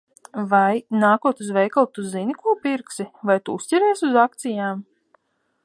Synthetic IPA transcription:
vajnaːkuɔt̪uzvʲɛjkalˠt̪uzinʲikuɔpiɾksivajt̪uːsʲtʲiɾiɛsʲuzak̚t̪sijaːm

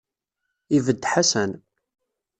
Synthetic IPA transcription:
ivəd̪ːħasən

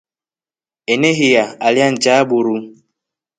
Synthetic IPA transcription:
eneɦijaaljan̩d͡ʒabuɾu

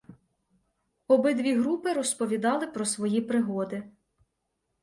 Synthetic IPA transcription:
ɔbɪd̪ʋʲiɦɾupɪɾɔspɔʋʲid̪ɑlˠɪpɾɔsʋɔjipɾɪɦɔd̪ɪ

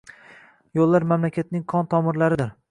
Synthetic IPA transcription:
jolˠːaɾmamlakʲʰat̪̚nɪŋkʰɒnt̪ʰɒmɪɾlaɾɪd̪ɪɾ

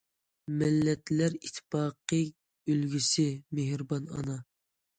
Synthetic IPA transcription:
mɪlːɛt̪læɾit̪ʰːpɑːqə | ølɡʲysɪmeɦɾbɑnɑ̰nɑ

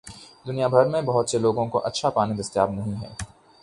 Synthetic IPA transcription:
d̪ʊnijabʱɐɾmẽbɐɦʊt̪seloːɡõkoʔɐtːʃʰapaːnid̪ɐst̪ja̰ːbnɐɦĩɦɛ̰ː

